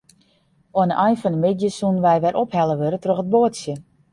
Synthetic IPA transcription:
oənəʔajnfɔnəmɪdjəsunʋɛjʋɛɾʔophɛləʋøɾətroxət̚boətsjə

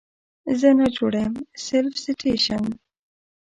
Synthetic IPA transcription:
zənəd͡ʒoɽamselfsɪtʰeʃan

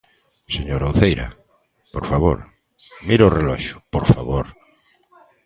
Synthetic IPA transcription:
seɲoɾowθejɾɐ̰ | poɾfaβo̰ɾ | miɾorelɔʃʊ̥poɾfaβoɾ

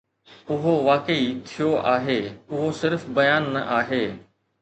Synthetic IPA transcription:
ʊɦoʋaːkəit̪ʰijoʔaːɦeːʊɦosɪɾfbɐjaːnːɐ̰ʔaːɦeː

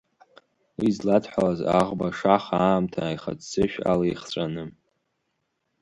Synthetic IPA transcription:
wizladʰħʷalazaʁbaʂaχaːmtʰaːjχa̰dt͡sɨʃᶣa̰lajχt͡ɕʷʼanɨ

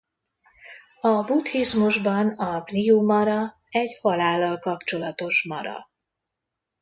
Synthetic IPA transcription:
ɒbut̪hizmuʒbɒnɒpliumɒɾɒ | ɛɟhɒlaːlːɒlkɒpt͡ʃo̞lɒt̪o̞ʃmɒ̰ɾɒ̰

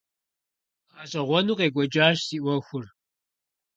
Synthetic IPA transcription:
aːɕʼɐʁʷɔnuːqeːɡʷɔd͡ʒaːʃsiːʔwʷɐxʷʊr

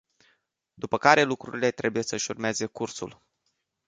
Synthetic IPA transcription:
d̪upəkaɾe̞lukɾṵɾile̞t̪ɾʔe̞buje̞səʃurmeeze̞kursṵl

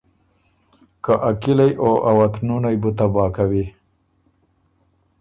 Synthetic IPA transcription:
kaʔakɪlajʔoʔawat̪nunajbut̪abɑːkawi

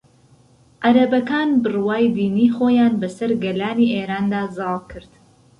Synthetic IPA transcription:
ʔaɾɐbɐkaːnbɨrwaːjd̪iːniːχoːjaːnbɐsɐɾɡɐlaːniːʔeːɾaːnd̪aːzɑːlˠkʰɨɾd̪̥

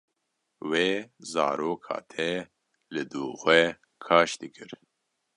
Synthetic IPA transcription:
weːzɑ̰ːɾoːkʰhɑ̰ːt̪ʰɛ | lɨd̪uːxʷɛ | kʰɑːʃd̪ɨkʰɨɾ

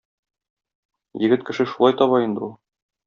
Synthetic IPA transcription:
jɘ̆ɡɘt̪kɘ̆ʃɘʃulˠɑjt̪ɒβɑind̪ɘulˠ

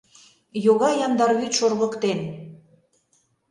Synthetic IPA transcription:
joɣɑjɑmd̪ɑɾɣyt̪ʃorɣə̆kt̪en

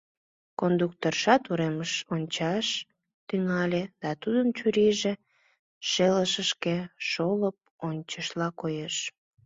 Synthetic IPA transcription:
kond̪uk̚t̪orʃɑt̪uɾeməʃonʲt͡ɕɑʃ | t̪yŋɑlʲed̪̥ɑt̪ud̪ənt͡ɕuɾiʒe | ʃeləʃəʃkeʃoləp̚onʲt͡ɕəʃlɑkojeʃ

